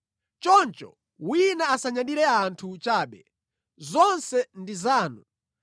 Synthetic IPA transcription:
t͡ʃɔnt͡ʃɔ̰ | winaːsaɲaɗiɾɛaːntʰut͡ʃaːɓɛ | zɔnsɛndizaːnu

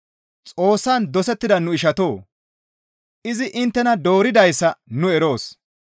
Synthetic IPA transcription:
t͡sʼo̞ːsːɐnd̪ɔsɛt̪ːɪd̪ɐnʊɪʃɐt̪o̞ː | ʔɪzɪʔɪnt̪ːɛnɐd̪o̞ːɾɪd̪ɐjsːɐnʊɛɾo̞ːs

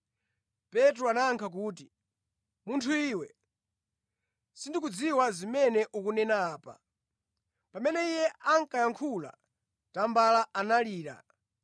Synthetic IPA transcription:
pɛt̬ɾuanaːŋkʰak̬uːt̬i | muntʰuiːwɛ | sindikud͡ziwazimɛnɛʔukunɛnaːpa̰ | pamɛnɛijɛaŋkajaŋkʰula̰ | tambalaanaliːɾa̰

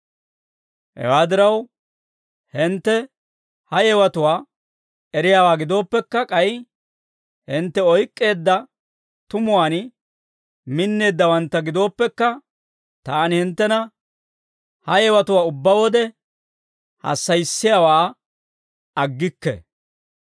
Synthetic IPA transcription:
hɛ̰waːd̪ɪɾɐw | hɪnt̪ːɛ | hɐjɛwɐt̪ʊwaː | ɛɾɪjaːwaːɡɪd̪o̞ːpːɛkːɐkʼɐj | hɪnt̪ːɛɔjkʼːe̞ːd̪ːɐ | t̪ʊmʊwaːn | mɪnːe̞ːd̪ːɐwɐnt̪ːɐɡɪd̪o̞ːpːɛkːɐ | t̪aːnɪhɪnt̪ːɛnɐ | hɐjɛwɐt̪ʊwaːʊbːɐwɔd̪ɛ | hɐ̰sːɐjsːɪjawaː | ɐɡːɪkːɛ̰

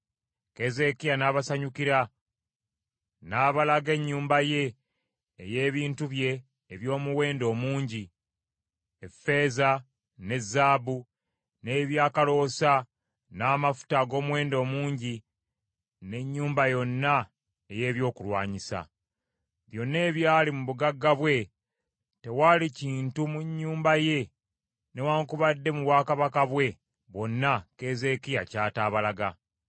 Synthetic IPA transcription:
ke̞ze̞kijanaːβasaɲukiɾa | naːβalaɡe̞ɲːuːmbaje̞ː | je̞ːβiːntuβje̞ː | βjo̞ːmuwe̞ːndo̞ːmuːɲɟi | efe̞ːza | ne̞zːaːβu | ne̞ːβjaːkalo̞sa | naːmafu̥taɡo̞ːmwe̞ːndo̞ːmuːɲɟi | ne̞ɲːuːmbajo̞nːa | eje̞ːβjo̞ːkulwa̰ːɲisa̰ | βjo̞nːe̞ːβjaːlimuβuɡaɡːaβwe̞ | te̞waːliciːntumuɲːuːmbaje̞ | ne̞waːŋkuβadːe̞muβwaːkaβakaβwe̞ | βo̞nːake̞ːze̞kija̰caːtaːβalaɡa̰

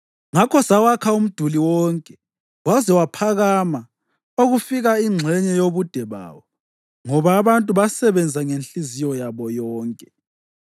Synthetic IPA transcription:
ŋakʰɔsawakʰaum̩d̥ʱuliwɔŋkʼɛ | wazɛwapʰaɣama | oɣufiɣaiŋ͡ǁʱɛɲɛjoβud̥ʱɛβa̰ːwɔ | ŋɔβaːβantʼuβasɛβɛnd͡zʱaŋenɬizijɔjaβɔjɔːŋkʼɛ

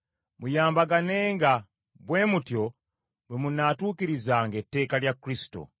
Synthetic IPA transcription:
mujaːmbaɡane̞ːŋɡa | bwe̞ːmutjo̞ | bwemunatuːkiɾizaːŋɡetːe̞ːkaljakɾisi̥to̰

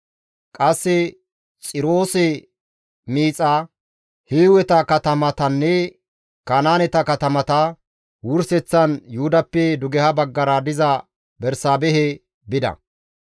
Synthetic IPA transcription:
kʼɐsːɪ | t͡sʼɪɾoːsɛ | miːt͡sʼa | hiːwɛt̪ɐkɐt̪ɐmɐt̪ɐnːɛ | kaːnaːnɛt̪ɐkɐt̪ɐmɐt̪ɐ | wʊɾsɛt͡sːɐnjʊhʊd̪ɐpːɛd̪ʊɡɛhɐbɐɡːɐɾɐd̪ɪzɐ | bɛɾsaːbɛɦɛ | bɪd̪ɐ̰

